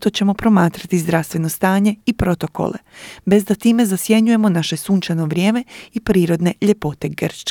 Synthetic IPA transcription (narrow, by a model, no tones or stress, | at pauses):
t̪o̞t͡ɕe̞mo̞pɾo̞maːt̪ɾat̪izd̪ɾast̪ʋe̞no̞st̪aːɲe̞ipɾo̞t̪o̞ko̰lʔḛbe̞zd̪at̪iːme̞zasje̞ɲuje̞mo̞naʃe̞suːnt͡ʃano̞ʋɾʲjeːme̞ipɾiːɾo̞d̪ne̞ʎe̞po̞t̪e̞ɡr̩t͡ʃ